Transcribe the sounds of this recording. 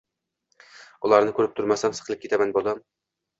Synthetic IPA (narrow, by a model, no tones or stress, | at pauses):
ulˠɑɾnɨkʲʰøɾɪp̚t̪ʰʊɾmɑsɑnsə̥qəlˠɨp̚kʰʲet̪ʰæmænbolˠdɑm